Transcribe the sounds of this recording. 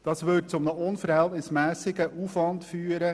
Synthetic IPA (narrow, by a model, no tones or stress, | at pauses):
d̥ɑːsʋʏtt͡sʊmnəʔʊnfəɾhɛltnɪsmæːsɪɡəʔuːfʋɑntfyːəɾə